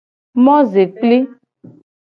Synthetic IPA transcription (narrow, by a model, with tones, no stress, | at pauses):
mɔ̃˦ze˨k͡pli˦